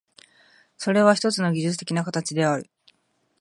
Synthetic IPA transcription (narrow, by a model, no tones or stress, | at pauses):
so̞ɾe̞β̞açi̥t̪o̞t͡sɨno̞ɡʲiʑɨt͡sɨ̥t̪e̞kʲinakat̪at͡ɕid̪e̞aɾɯ̟